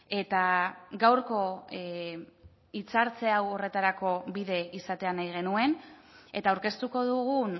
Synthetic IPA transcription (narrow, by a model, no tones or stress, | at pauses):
e̞t̪aɡawɾko̞ | it͡saɾt͡se̞awo̞re̞t̪aɾako̞βiðe̞isat̪e̞anajɣ̞e̞nue̞net̪aːwɾke̞st̪uko̞ðuɣu